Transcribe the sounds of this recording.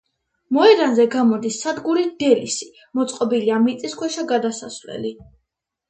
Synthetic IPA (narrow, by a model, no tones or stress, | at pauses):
mɔɛɾanzɛɡamɔd̪isːad̪ɡuɾid̪̥ɛlisi̥ | mɔt̪sʼqʼɔbiliamit̪sʼiskʰwɛʃaɡad̪asasvlɛ̰li